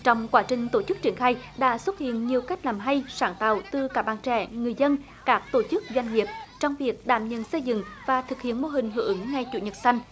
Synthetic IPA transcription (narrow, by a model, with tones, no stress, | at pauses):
t͡ɕɔ˧wŋ͡mkwaː˨˦t͡ɕï˨˩ŋ̟t̪o˧˩t͡ɕɨ˦˥k̚t͡ɕi˧˩ənxaː˧jɗa̰ː˧˥swə˦˥t̚hḭ˧˨ənɲi˨˩əwka˦˥jk̟̚laː˨˩mɦa˧jsaː˧˩nt̪a̰ː˨wt̪ɨ˨˩kaː˧˥˩ɓaː˧˨nt͡ɕɛ̰˧˩˥ŋɨ˨˩əjzə˧n | kaː˦˥k̚t̪o˧˩t͡ɕɨ˦˥k̚zwa˧jŋ̟ŋi˨˩əp̚t͡ɕɔ˧wŋ͡mvi˨˩ək̚ɗa̰ː˧˩mɲə̰˧˨nsə˧jzɨ̰˧˨ŋvaː˨˩t̪ʰɨ˨˩k̚hḭ˧˨ənmo˧ɦï˨˩ŋ̟ɦɨ˧˩˨ŋŋa˧jt͡ɕṵ˧˩ɲə˨˩t̚sa˧jŋ̟